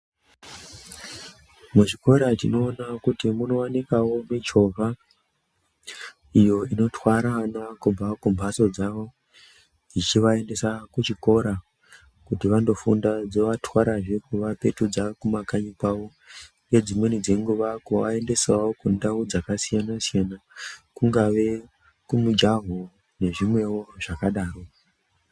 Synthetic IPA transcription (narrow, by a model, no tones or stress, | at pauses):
mut͡ʃiko̞ɾatino̞ːnakutimuno̞anekawo̞met͡ʃo̞vʱa | ijo̞ino̞twaɾanakubakumbʱaso̞d͡zaʋo̞ | d͡zit͡ʃiʋae̞nde̞sakut͡ʃiko̞ɾa | kutiʋando̞fundad͡zo̞ʋatwaɾaʐe̞kuʋape̞tud͡zakumakaɲipao | je̞d͡zimwenid͡ze̞ŋɡuʋakuʋa̰e̞nde̞sawokundaud͡zakasijanasijanakuŋɡaʋe̞ | kumud͡ʒaɦo | ne̞ʐimwe̞wo̞ʐ̥akaɗaːro̞